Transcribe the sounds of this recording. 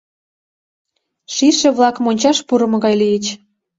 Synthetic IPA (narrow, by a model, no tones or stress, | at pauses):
ʃiʃĕβlɑkmonʲt͡ɕɑʃpuɾə̆mɤ̆ɣɑjlijət͡ɕ